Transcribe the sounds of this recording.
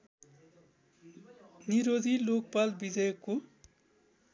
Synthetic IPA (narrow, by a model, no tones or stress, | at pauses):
niɾod̪ʱilok̚palbid͡zʌjko